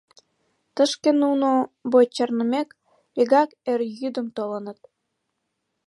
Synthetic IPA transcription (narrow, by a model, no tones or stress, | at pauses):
t̪əʃkenunobojt͡ɕɑrnəmek | eɣɑkerjyd̪ə̆mt̪olənət̪̚